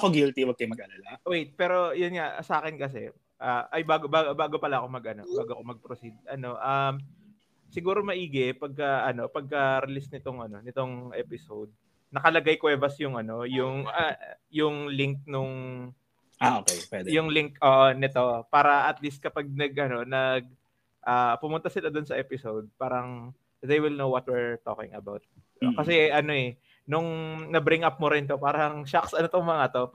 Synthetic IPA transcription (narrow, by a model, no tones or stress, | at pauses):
ɐkoɡilt̪iwɐɡ̚kɐjmɐɡ̚ʔɐlalawejt̪̚pɛːɾo̞jʊnŋa̰sɐʔaːkɛnkɐs̬ɛ̰ | ʔaʔɐjbaːɡobaːɡbaːɡo̞pɐlaʔɐkomɐɡʔɐno̞̰baːɡoʔɐkomɐɡ̚pɾosid̪̚ʔɐno̞ʔɐm | sɪɡuːɾo̞mɐʔiːɡɛpɐɡ̚kɐʔɐno̞pɐɡ̚kɐɾɪlisnɪt̪o̞ŋɐno̞nɪt̪o̞ŋʔɛːpɪsowd̪̚ | nɐkɐlɐɡajkwɛːvɐsjʊŋʔɐno̞jʊŋɐ | jʊŋlɪŋk̚nʊŋ | aʔokejpwɛd̪jʊŋlɪŋkʔoːʔonɪt̪o̞paːɾɐʔɐt̪list̪̚kɐpaɡ̚nɐɡʔɐno̞nɐɡ̚ | ʔaːpʊmʊnt̪asɪlad̪onsɐʔɛpɪsowd̪̚paːɾɐŋ | ðejwɪlnowwɐt̪̚wɛɹt̪o̰kɪ̰̃ŋɐbawt̪̚ | okɐsɛʔɐno̞ɛ | nʊŋnɐbɾɪŋʔap̚mʊɾɪnt̪o̞paːɾɐɐŋʃaksʔɐnot̪oŋmɐŋat̪o̞